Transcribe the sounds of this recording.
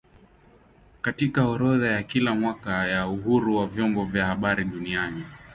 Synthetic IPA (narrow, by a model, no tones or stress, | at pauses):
katikaɔɾɔðajakilamwakajauɦuɾuwavjɔmbɔvjahaɓaɾiɗuniani